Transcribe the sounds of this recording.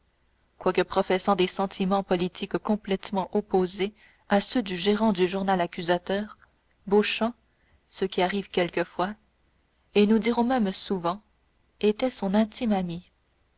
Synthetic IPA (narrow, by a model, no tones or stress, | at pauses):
kwakəpχɔfɛsɑ̃d̪esɑ̃t̪ʰimɑ̃pɔlit̪ʰikkɔ̃plɛt̪mɑ̃ʔɔpoze | asød̪yʒeʁɑ̃d̪yʒuʁnalakʲyzat̪œːʁ | boʃɑ̃ | səkʲiaʁiːvkʲɛlkəfwa | enud̪iʁɔ̃mɛmsuvɑ̃ | et̪ɛsɔ̃nɛ̃t̪imami